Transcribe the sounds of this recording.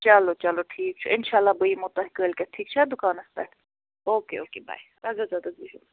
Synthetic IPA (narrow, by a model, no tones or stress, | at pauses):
t͡ʃɐlot͡ʃɐloʈʰiːk̚t͡ʃʰuʔɪnʃaːlːabəimʊt̪ɐɦɪkəːlkɛʈʰiːk̚t͡ʃʰɛd̪ʊkaːnɐst̪ɛ | oːkeoːkeːba̰ːjɾazazaːd̪ɐziɦu